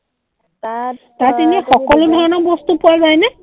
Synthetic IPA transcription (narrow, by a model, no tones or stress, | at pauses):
tateniaxɔkɔlodʱɔɹɔnɔbɔst̪upuajbajnɛ